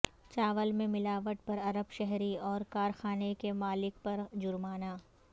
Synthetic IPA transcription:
t͡ʃaːʋəlmẽmɪlaːʋəʈ̚pɐɾɐɾəbʃɛɦɾiɔːɾkaːɾxaːnekemaːlɪk̚pɐɾd͡ʒʊɾmaːnaː

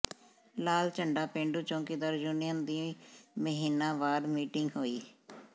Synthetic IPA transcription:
laːlt͡ʃəɳɖaːpẽːɳɖuːt͡ʃõːkid̪əɾd͡ʒuːnijənd̪iːməɦiːnãːʋaːd̪miːʈɪŋɡɦoːiː

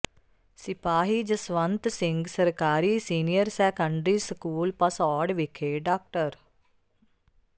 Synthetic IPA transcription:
sɪpaːɦiːd͡ʒəsʋənt̪sɪ̃ŋɡsəɾkaːɾiːsiːnijəɾsɛːkəɳɖɾiːsəkuːlpəsɔːɖʋɪkʰeːɖaːk̚ʈəɾ

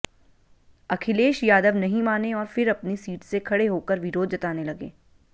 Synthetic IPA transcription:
ɐkʰɪleːʃjaːd̪əʋnɐɦĩmaːneɔːɾfɪɾɐpnisiːʈsekʰɐɽeɦoːkəɾʋɪɾoːd̪̚d͡ʒɐt̪aːnelɐɡḛː

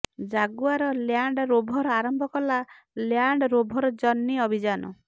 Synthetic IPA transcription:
d͡ʒaɡuaɾɔljaɳɖɾobʱɔɾɔaɾɔmbʱɔkɔla | ljaɳɖɔɾobʱɔɾɔd͡ʒɔnːiɔbʱid͡ʒanɔ̰

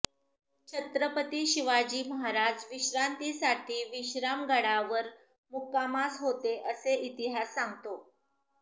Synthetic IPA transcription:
t͡ɕʰət̪ɾəpət̪iːɕiʋad͡ʑiːməɦaɾad͡ʑʋiɕɾant̪isaʈʰiːʋiɕɾamɡəɽaʋəɾ | mukːamasɦot̪eʔəseʔit̪iɦasːãŋɡt̪o

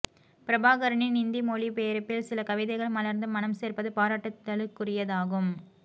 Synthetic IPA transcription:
pɪɾɐbaːɣɐɾɐɳinɪnd̪imoːlipeːɐɾɯpːɪlsɪlɐkɐʋɪðɐɪɣɐɭmɐlɐɾnd̪ɯmɐnɐmseːrpɐðɯpaːɾaːʈːɐt̪ːɐɭɯkːʊrɪjɐðaːɣɯm

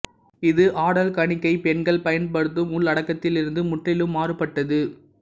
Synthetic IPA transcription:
ɪðɯʔaːɽɐlkɐɳɪkːɐɪpɛɳɡɐɭpɐjɐnpɐɽɯt̪ːɯmʊɭːɐɽɐkːɐt̪ːɪlɪɾɯnd̪ɯmʊʈrɪlɯmːaːɾɯpːɐʈːɐðɯ

